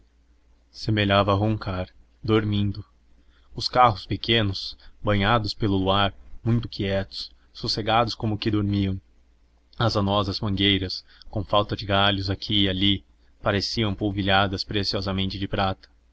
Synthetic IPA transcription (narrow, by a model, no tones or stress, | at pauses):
semeʎavɐɦõŋkaɾ | d̪oɾmĩnd̪ʊ | ʊskaɦʊspekẽnʊsbɐ̃ɲad̪ʊspelʊluaɾmũj̃t̪ʊ̥kiɛt̪ʊ̥s | suseɡad̪ʊskõmʊkɪd̪oɾmiɐ̃w̃ | ɐzanɔzɐzmɐ̃ŋɡejɾɐs | kõfawt̪ɐd͡ʒɪɡaʎʊzakʰiali | paɾesiɐ̃w̃powviʎad̪ɐspɾesiɔzɐmẽnt͡ʃɪd͡ʒɪpɾat̪ɐ̥